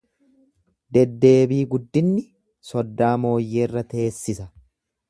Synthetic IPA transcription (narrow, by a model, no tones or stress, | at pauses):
d̪ɛd̪ːe̞ːbiːɡʊd̪ːɪnːɪ | sɔd̪ːaːmo̞ːjːe̞ːrːɐt̪ʰeːsːɪsɐ